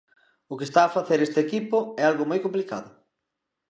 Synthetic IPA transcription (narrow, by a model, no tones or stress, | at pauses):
ʊkest̪aːfaθeɾest̪ekipʊɛalɣʊmojkõmplika̰ðʊ